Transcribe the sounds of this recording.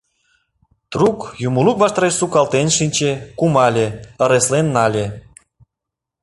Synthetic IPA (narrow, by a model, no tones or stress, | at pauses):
t̪rukjumulukvɑʃt̪ɾeʃsukɑlt̪enʃinʲt͡ɕekumɑlʲeə̆ɾeslenːɑlʲe